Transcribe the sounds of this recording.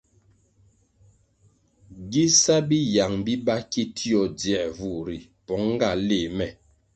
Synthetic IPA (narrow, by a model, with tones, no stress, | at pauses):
ɡi˦sa˦bi˦ja˨ŋbi˦ba˦ki˦tʰi˦ɔ˨djɛ˦˨ʔvu˦˨ɾi˨ | pɔ˨˦ŋ˦ɡa˦˨le˦˨mɛ˨